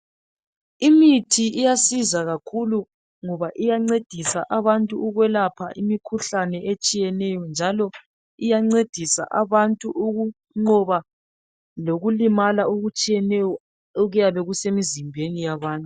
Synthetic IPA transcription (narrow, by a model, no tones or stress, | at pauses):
imitʰiʔijasizaɣakʰulu | ŋɔβaʔijaŋ͡ǀed̥ʱisaʔaβantʼuuɣwɛlapʰa̰ʔimikʰuɬanɛʔet͡ʃʼijɛnɛjɔnd͡ʒʱalɔ | ijaŋ͡ǀed̥ʱisa̰ʔaβantʼuʔuɣu | ŋ͡ǃɔβa | loɣulimalauɣut͡ʃʼijɛnɛjɔ | oɣujaβɛɣusemizimbʱenijaβaːntʼu